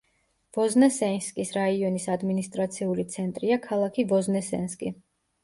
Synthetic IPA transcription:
b̥ɔznɛsɛnskʼisɾaiɔnisad̪minist̪ʼɾat̪sʰiulit̪sʰɛnt̪ʼɾiakʰalˠakʰibɔznɛsɛ̰nskʼi

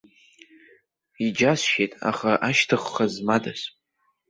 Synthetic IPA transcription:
id͡ʒasʃejtʼa̰χaʔaʃtʰɨχːazmadas

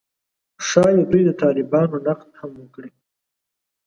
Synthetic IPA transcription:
ʂɑjed̪ujd̪ət̪ɑːlɪbɑnonaqd̪hamwəkɽi

